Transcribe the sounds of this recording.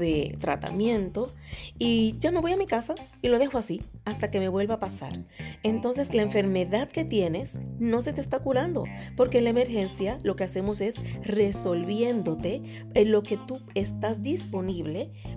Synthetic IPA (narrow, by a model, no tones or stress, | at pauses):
ðet̪ɾa̰t̪a̰mjẽ̞nt̪o̞id͡ʒame̞βo̞jamikasa | ilo̞ð̞e̞xoasiast̪ake̞me̞βwe̞lβapasa̰ɾe̞nt̪o̞ns̬e̞slaeɱfe̞ɾme̞ðaðke̞t̪je̞ne̞sno̞se̞t̪est̪akuɾand̪o̞̰po̞ɾke̞ːnlaeme̞ɾxe̞nsjalo̞ke̞ase̞mo̞se̞sre̞so̞lβje̞nd̪o̞t̪e̞ | lo̞ke̞t̪uest̪azd̪ispo̞niβle̞